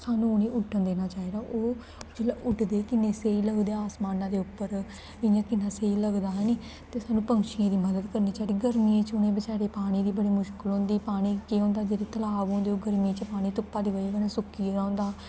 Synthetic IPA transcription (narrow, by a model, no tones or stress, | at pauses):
saːnũːnẽːʔʊʈʰːənd̪eːnaːt͡ʃaːiːd̪aːʔoː | d͡ʒelaʔʊʈd̪eːkɪnẽːseːiːləɡd̪eːaːsmaːnãːd̪eːʊpːəɾ | ɪjãːkɪnãːseiːləɡd̪aːɦɛniː | t̪eːsaːnũːpəŋkʃijãːd̪iːməd̪əd̪kəɾniːt͡ʃaːid̪iːɡəɾmiẽːt͡ʃʊnẽːbəsaːɽeːpaːɽ̃iːd̪iːbəɽiːmʊʃkəlɦõːnd̪iːpaːɽ̃iːkeːɦõːnd̪aːd͡ʒeːɾeːt̪əlaːʋõːnd̪eːoːɡəɾmiẽːt͡ʃəpaːɽ̃iːt̪ʊpːaːd̪iːokənãːsʊkːiãːʊ̃nd̪aː